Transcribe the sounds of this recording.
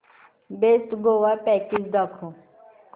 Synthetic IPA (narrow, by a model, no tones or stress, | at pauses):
best̪ɡowapɛkisd̪akʰũ